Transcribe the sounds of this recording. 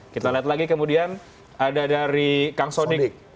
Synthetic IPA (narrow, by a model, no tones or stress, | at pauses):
kit̪aliat̪̚laɡikəmudian | adadaɾikaŋsodɪk